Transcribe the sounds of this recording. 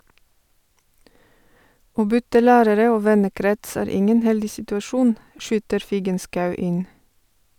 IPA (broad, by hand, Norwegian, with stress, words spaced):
ˈoː ˈbʏtə ˈlæːɾəɾə ˈoː ˈʋɛnəˌkɾɛts ˈæːɾ ˈɪŋən ˈhɛldɪ sɪtʉɑˈʃuːn ˈʃyːtəɾ ˈfiːɡənskɑʉ ˈɪn